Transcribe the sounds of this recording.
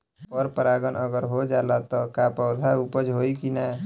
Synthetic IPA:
ɔːɾpəɾaːɡənʔəɡəɾɦod͡ʒaːlat̪ɔkapɔːd̪ʱaupəd͡ʒɦoːikina

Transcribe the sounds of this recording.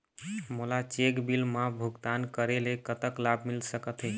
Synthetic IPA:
mulat͡ʃekbilmabʱuɡt̪ankəɾelekət̪əklabʱmilsəkət̪ɦɛ

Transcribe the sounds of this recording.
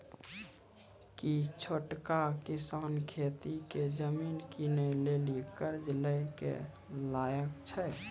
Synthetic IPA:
kit͡ʃʰoʈkakisankʰet̪iked͡ʒəminkinəjlelikəɾd͡ʒləjkḛ | lajəkt͡ʃʰə

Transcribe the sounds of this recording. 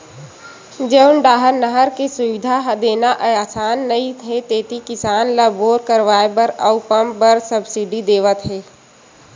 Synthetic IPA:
d͡ʒeʊnɖaːɦəɾnəɦəɾkesʊʋɪd̪ʱaɦɐd̪eːnaʔəjaːsaːnːəit̪ʰɦẽt̪eːt̪ikɪsaːnləboːɾkəɾʋaːebəɾəʊpəmbəɾsəbsiɖid̪eːʋət̪ɦɛː

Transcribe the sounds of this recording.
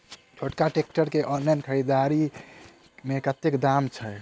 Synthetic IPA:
t͡ʃʰoʈkaʈek̚ʈəɾkeʔɔnlajnkʰəɾid̪aɾi | mekət̪ːekd̪amt͡ʃʰə

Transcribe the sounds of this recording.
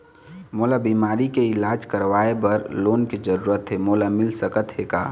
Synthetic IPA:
moːlabiːmaːɾikeɪlaːd͡ʒkəɾʋaːebɐɾloːnked͡ʒəɾuːɾət̪ɦemoːlamɪlsəkət̪ɦekaː

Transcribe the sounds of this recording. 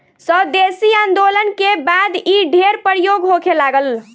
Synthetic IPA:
səd̪esiaːnd̪olənkebad̪iɖʱeɾpəɾjoɡɦokʰelaɡəl

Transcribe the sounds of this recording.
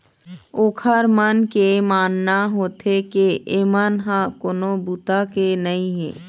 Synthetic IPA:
oːkʰəɾmənkemaːnːaɦoːt̪ekeeːmaːnɦãkoːnobuːt̪akenɐɦĩɦɛ̰ː

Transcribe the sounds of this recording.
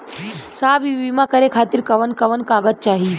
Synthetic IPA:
saːbiʋimakəɾekʰaːt̪iɾkɐʋənkɐʋənkaːɡət̪̚t͡ʃaːɦi

